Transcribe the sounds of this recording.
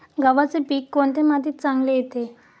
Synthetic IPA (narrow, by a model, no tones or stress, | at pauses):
ɡaʋat͡sepiːkːoɳt̪emat̪iːt̪t͡sãŋɡlejet̪e